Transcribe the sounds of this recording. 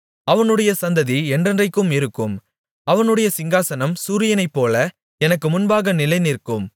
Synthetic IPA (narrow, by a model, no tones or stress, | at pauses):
ɐʋɐnɯɽɐjɐsɐnd̪ɐðiɛndrɐndrɐɪkːɯmɪɾɯkːɯm | ɐʋɐnɯɽɐjɐsɪŋɡaːsɐnɐmsuːɾɪjɐnɐɪpːoːlɐ | ɛnɐkːɯmʊnbaːɣɐnɪlɐɪnɪrkːɯm